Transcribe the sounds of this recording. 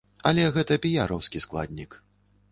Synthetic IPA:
ɐlʲɛɣɛt̪ɐpʲijaɾɔwskʲisklˠa̰d̪ʲnʲik

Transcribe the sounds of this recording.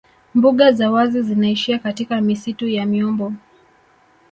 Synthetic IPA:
mbuɠazawazizinaiʃiakatikamisitujamiɔmbɔ

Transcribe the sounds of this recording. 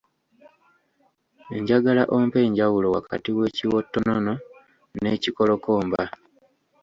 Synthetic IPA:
e̞ɲɟaɡalaʔompe̞ːɲɟawulo̞wa̰ka̰tiwe̞ːciwo̞tːo̞nono̞ | ne̞ːciko̞lo̞koːmba

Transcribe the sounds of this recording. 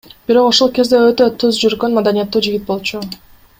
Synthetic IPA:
b̥iɾo̞quʃolˠke̞zd̪eøt̪ø̞t̪ʰuzd͡ʒyɾɡø̞nmad̪anijat̪ːuːd͡ʒiɡʲit̪̚bo̞lˠt͡ʃu

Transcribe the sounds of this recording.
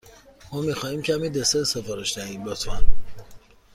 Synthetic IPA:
mɒːmiːxɒːhiːmcʰæmiːd̪esesefɒːɾeʃd̪æɦiːmbɒt̪ʰæn

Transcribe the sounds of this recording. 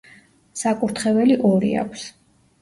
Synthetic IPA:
sakʼuɾt̪ʰχɛvɛliʔɔɾḭa̰kʷʰs

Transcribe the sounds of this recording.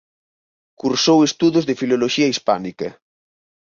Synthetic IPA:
kuɾsowest̪uðozðefiloloʃiɐispanikɐ

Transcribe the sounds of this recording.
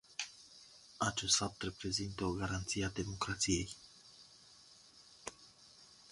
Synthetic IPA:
at͡ʃe̞st̪fap̚t̪repɾe̞zint̪əoɡaɾant̪siad̪e̞mo̞kɾat̪sije̞j

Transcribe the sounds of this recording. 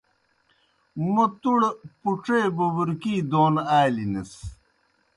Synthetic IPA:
mɐt̪uɽpuʈ͡ʂeːbuwuɾkiːd̪oːnaːlinɐs

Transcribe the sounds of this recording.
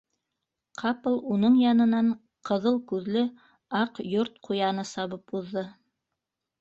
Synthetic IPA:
qʰɑplˠunɤɴjɑnɤ̆nɑɴ | qʰɤ̆ðɤlˠkʉðlɘ | ɑqjoɾt̪̚qʰujɑnɤsɑβɤpuðːɤ

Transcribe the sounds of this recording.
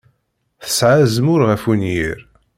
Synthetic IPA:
θə̥sʕazəmʊɾʁəfunjiɾ

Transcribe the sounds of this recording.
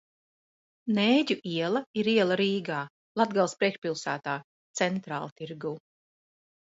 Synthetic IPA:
neːɟuʔiɛlˠaiɾiɛlˠaɾiːɡaː | lˠad̪ɡalˠspɾiɛkʃpilˠsæːt̪aː | t̪sɛnt̪ɾa̰ːlˠt̪iɾɡuː

